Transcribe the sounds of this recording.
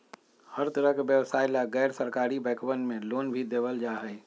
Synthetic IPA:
həɾt̪əɾəɦkeʋjəʋsaːɪlaɡɛːɾsəɾkaːɾibɛːkəʋənmẽloːnbʱid̪eːʋəld͡ʒaːɦɛː

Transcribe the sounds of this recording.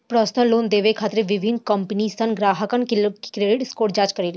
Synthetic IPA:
pɾɔsnəloːnd̪eːʋekʰaːt̪ɾeʋɪbʱinkəmpənisənɡɾaːɦəkənkelkɾeːɖɪʈskoːʈd͡ʒaːt͡ʃkəɾel

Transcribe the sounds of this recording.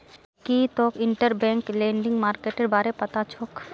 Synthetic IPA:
kiːt̪oːkɪɳʈəɾbɛ̃ːŋklẽːɳɖɪ̃ŋɡmaːɾkeːʈeɾbaːɾepɐt̪at͡ʃʰoːk

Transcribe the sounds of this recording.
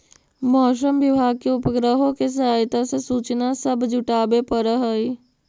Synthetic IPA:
mɔːʃəmʋɪbʱaːɡ̚keʊpəɡɾəɦõkes̬əɦaːjt̪asesuːt͡ʃnasəbd͡ʒʱʊʈaːbepəɾəɦəi

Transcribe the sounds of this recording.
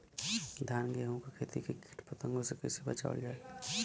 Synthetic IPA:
d̪ʱaːnɡeõkakʰeːt̪ikikʰiʈpət̪ə̃ŋɡosekeseba̰t͡ʃa̰ʊ̰ld͡ʒaːe

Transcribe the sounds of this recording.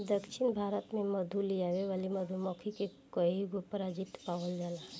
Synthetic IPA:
d̪əkʃinbʱaɾət̪meməd̪ʱulijaʋeʋaliməd̪ʱumɔkʰike | kəiɡopəɾad͡ʒit̪paʋəld͡ʒala

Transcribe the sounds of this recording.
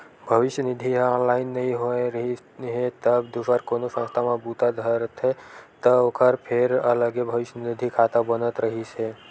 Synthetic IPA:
bʱəʋɪʃjənid̪ʱiɦɔnlaɪnːəɦĩɦoeɾəɦi | ɦet̪əbd̪usəɾkonosə̃nst̪ʰamãbut̪ad̪ʱəɾət̪ʰɦet̪əokʰəɾpʰeɾə̰ləɡebʱəʋɪʃjənid̪ʱikʰat̪abənət̪ɾəɦise

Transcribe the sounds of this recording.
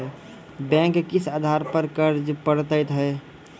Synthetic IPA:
bɛ̃ːŋkkɪsaːd̪ʱaːɾpəɾkəɾd͡ʒpəɽt̪əɪt̪ɦɛː

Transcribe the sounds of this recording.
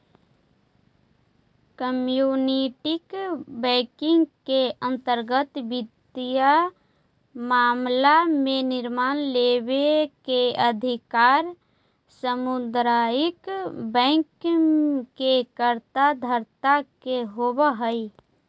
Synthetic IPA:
kəmjuːniʈɪkbɛ̃kɪ̃ŋɡkeə̃nt̪əɾɡət̪bɪd̪ija | maːmlamẽnɪɾmaːnlewekeəd̪ʱɪkaːɾ | səmʊd̪ɾaːɪkbɛ̃ːŋk | kekəɾt̪ad̪ʱəɾt̪akeɦobəɦəi

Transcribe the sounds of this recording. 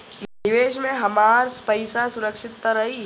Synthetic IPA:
nɪʋeːʃ̬mẽɦɐmaːɾspəɪsasʊɾəkʃɪt̪̚kəɾɐɦiː

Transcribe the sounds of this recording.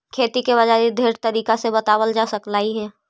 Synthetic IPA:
kʰeːt̪ikebɐd͡ʒaːɾid̪ʱeːɾt̪əɾiːkasebɐt̪aːwəld͡ʒaːsəklaːiɦɛː

